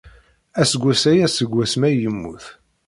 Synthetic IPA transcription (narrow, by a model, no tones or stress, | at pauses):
æsəɡʷːæsæjæsəɡʷːæsmæjəmːuθ